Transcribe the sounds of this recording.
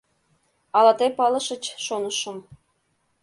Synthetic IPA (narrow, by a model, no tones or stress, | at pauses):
ɑlˠɑt̪epɑlˠɤ̆ʃə̆t͡ɕʃonɤ̆ʃə̆m